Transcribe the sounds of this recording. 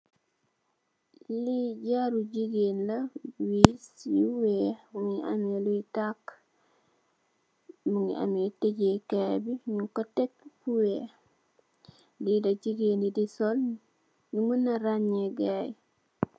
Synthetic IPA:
liɟaɾuɟiɡenlawisiwemuŋiʔa̰meluitak | muŋḭa̰meteɟekebiɲukotek̚puwe | didad͡ʒiɡendidisol | ɲumunaɾaɲeɡaj

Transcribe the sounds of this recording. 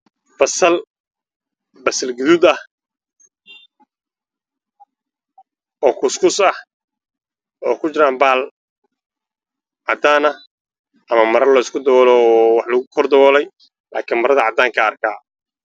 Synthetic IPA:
fɐsɐl | bɐsɐlɡʊðʊd̪ɐh | ɔːkʰʊskʰʊsɐh | ɔːkʰʊt͡ʃɪɾaːmbaːl | ʕɑd̪aːnɐ | ʔɐmɐmɐɾɐrlɔːɪskʰʊd̪ɐwɔːlɔːwɑħlɐɣʊkʰɔrd̪ɐwɔːlɛj | la̰ːkʰiːnmɐɾɐðɐʕɑd̪aːŋkʰɐːrkʰaː

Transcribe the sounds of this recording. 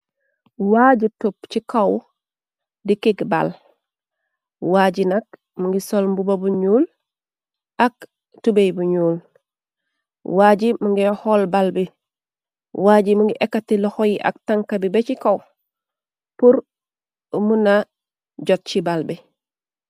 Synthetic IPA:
waɟitup̚t͡ʃikaw | dikiɡba̰l | waɟinak̚ | muŋɡisolmbubabuɲuːl | ʔak | tubejbuɲuːl | waːɟimuŋɡiholbalbi | waːɟimuŋɡiʔekːatilɔhojiʔa̰k̚taŋkabibet͡ʃikaw | puɾ | muna | ɟot̚t͡ʃibalbi

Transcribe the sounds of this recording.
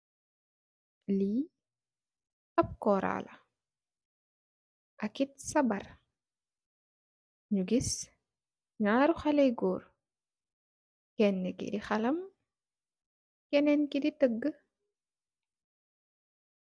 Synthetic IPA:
li | ɐp̚kɔːɾa̰ːlɐ̰ | ʔɐkit̚sɐbɐr | ɲuɡis | ɲaːɾuxɐlɛjɡɔːr | kɛnːɛkḭdixɐlɐm | kɛnɛnkiditəɡːə

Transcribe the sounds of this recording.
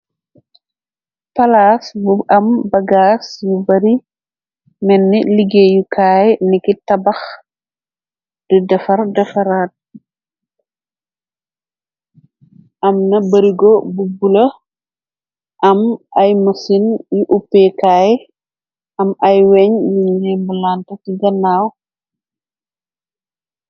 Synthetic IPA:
pɐlasbuɐmbɐɡasjubɐɾi | mɛnːɛliɡeːjukaːjnikitɐbax | d̥ədɛfɐrdɛfɐɾaːt̚ | ʔɐmnɐbɐɾiɡɔbubulɐ | ʔɐmʔɐjmɐsinjuʔupːɛkaːj | ʔɐmɐjwɛɲjuɲːɛmbulantɐtiɡɐnːaːw

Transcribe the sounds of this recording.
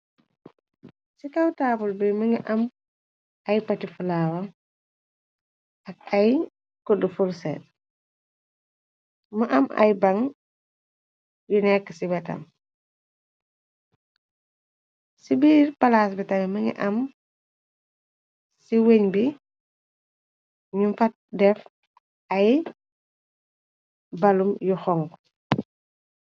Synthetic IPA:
sikɐwtaːpulbimɐŋiʔɐm | ɐjpɐtifulaːwɐ | ɐk̚ɐj | kɔdufuɾsɛ̰t | mɐʔɐmɐ̰jbɐŋ | junɛkːə̥sibɛtɐ̰m | sibiːɾpɐlaːsbitɐmimɐɲḭʔɐm | siweɲbi | ɲumfɐt̚dɛf | ɐj | bɐlumjuxɔŋk

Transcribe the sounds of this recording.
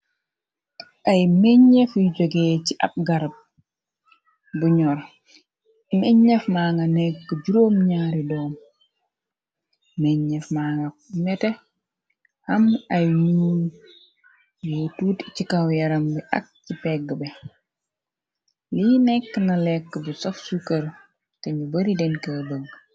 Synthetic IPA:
ʔajmɛɲːɛfid͡ʒoɡɛːt͡ʃiʔa̰p̚ɡaɾp̚ | buɲɔɾ | mɛɲːɛfmaːŋɡanɛkːəd͡ʒuɾoːmɲaːɾidɔːm | mɛɲːɛfmaŋɡamɛtɛ | hɐmajɲi | jotuːtcikawjɐɾɐmbiʔɐ̰k̚cipɛɡːəbɛ | linɛkːənɐlɛkːəbusɔfsukɐɾ | tɛɲubɐɾidɛnkedoɡ

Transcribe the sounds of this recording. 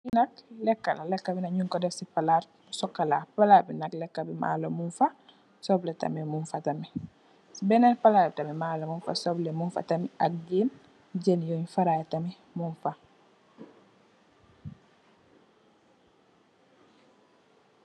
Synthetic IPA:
inɐklɛkːa̰lalɛkːabinɐɲuŋkɔdɛfsipalaːɾ | sɔkːalaːpalaːɾbinaklɛkːabima̰ːlomunfa | sɔblɛtɐ̰mimunfatami | sibɛnɛnpalaɾbitamimaːlomunfa̰sɔblɛmunfa̰tamiʔak̚ɡiːn | ɟenjɔɲfaɾajtami | munfa

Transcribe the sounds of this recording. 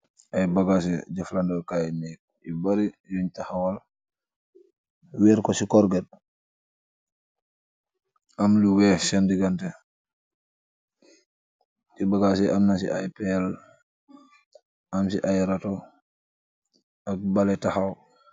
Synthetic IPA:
ʔajbaɡas̬ɛɟaflandakajnik̚ | ibaɾijuɲtaxawal | wɛːɾkɔsikɔɾɡɛd̚ | ʔamliwɛsɛndiɡantɛ | kibaɡas̬ɛʔamnasḭʔa̰jpɛl | ʔamsiʔajɾatɔ | ak̚balɛtaxaw

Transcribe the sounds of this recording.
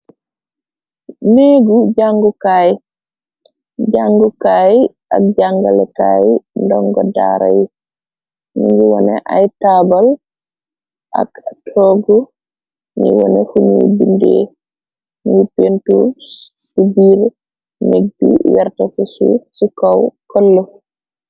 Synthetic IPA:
neɡuɟaŋɡukaj | ɟaŋɡukaːj | ʔak̚ɟaŋɡalɛkaːjndɔŋɡɔda̰ːɾa̰ji | niŋɡiwɔnɛʔajtabal | ʔa̰ktʰɔɡu | ɲḭwɔ̰nɛfumibindɛ̰ | nipentuɾ | sibiɾ | neɡ̚bḭwɛɾtasɛsṵsukawkɔlːɔ

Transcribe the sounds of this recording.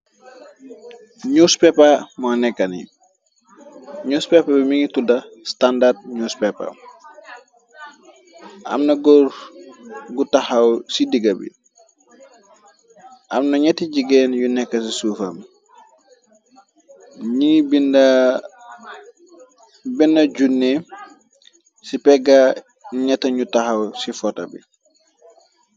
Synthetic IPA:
ɲuspɛpamanɛkːɐnḭ | ɲuspɛpabimiŋitudɐstandard̚ɲuspɛpːa̰m | ʔɐ̰mnɐɡɔɾ | ɡutahawsidiɡɐbḭ | ʔamnɐɲɛtiɟiɡɛnjunɛkːɐs̬isuːfɐ̰m | ɲibinda | binːɐɟunːe | sipɛɡa | ɲɛtːɐɲutahawsifɔta̰bḭ

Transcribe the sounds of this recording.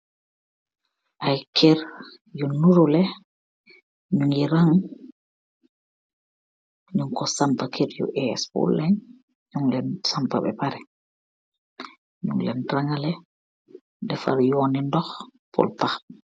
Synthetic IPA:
ʔajkʰɛɾ | junːuɾulɛ | ɲuŋiɾaŋ | ɲuŋkɔsampakʰeɾjṵʔɛɛspṵlːɛɲ | ɲuŋlɛnsampa̰ɓɛ̰paɾɛ | ɲṵŋlɛnɾaŋalɛ | dɛfa̰ɾjonindɔxpʰɔ̰lpax

